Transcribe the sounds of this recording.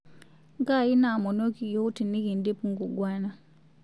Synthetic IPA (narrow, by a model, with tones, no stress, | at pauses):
ŋɡa˦˨ji˦na˨mɔ˨no˦ki˨jɔ˦u˦ti˨ni˦ɣi˨ndi˦pu˦ŋɡu˨ɡwa˦na˨